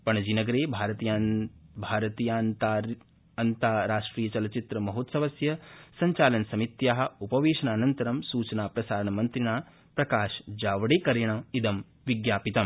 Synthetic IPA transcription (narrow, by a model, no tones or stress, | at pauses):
pɐɳɐd͡ʒiːnɐɡɐɾeːbʱaːɾɐt̪ijaːbʱaːɾɐt̪iːjaːn | ɐnt̪aːɾaːʂʈɾiːjɐt͡ʃɐlɐt͡ʃit̪ɾɐmɐɦot̪sɐʋɐsjɐsɐɲt͡ʃaːlɐnsɐmit̪jaːɦɐ̆upɐʋeːʃɐnaːnɐnt̪ɐɾɐmsuːt͡ʃɐnaːpɾɐsaːɾɐɳɐmɐnt̪ɾiɳaː | pɾɐkaːʃd͡ʒaːʋɐɽeːkɐɾjɐɳɐid̪ɐm | ʋiɡjaːpit̪ɐm